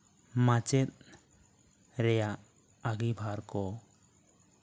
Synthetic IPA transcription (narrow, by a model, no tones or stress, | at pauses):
mat͡ʃɛt̪̚ | ɾɛjaʔ | aɡibʱaɾkɔ